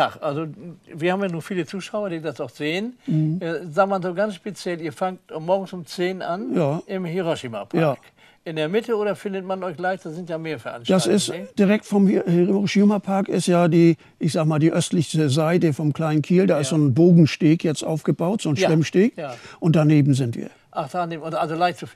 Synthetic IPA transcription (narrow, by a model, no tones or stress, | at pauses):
faχʔalzoviːɐhaːbmjaːnuːɐfiːlət͡suːʃaʊɐdiːdasaʊxz̥eːən̩ɛzaːk̚manzoːɡansʃpet͡sjɛliːɐfaŋtmɔɐɡŋ̩sʊmt͡seːnʔanjaːɪmheʁoʃima̰pʰjaaːɐk | ʔɪndeːɐmɪtʰəoːɾɐfɪndətmanɔʏç̥laɪçd̥aːzɪntjaːmeːɐfɛɐʔa̰nʃtd̥asɪstd̥iʁɛk̚tfɔmheʁoʃimapʰaɐkɪ̰stjaːdiː | ʔɪçz̥aːɡəmaːldiːʔœstlɪçsəzaɪtəfɔmkʰl̥aɪnənkʰiːldaːɪstz̥oːnboːɡŋ̩ʃteːkjɛt͡stʔa̰ʊfɡ̥əbaʊtz̥oːnʃvɪmʃteːkːʔʊnt̚d̥aneːbm̩zɪntv̥ḭːɐʔaχd̥aneːmodʔalzolaɪçtt͡suf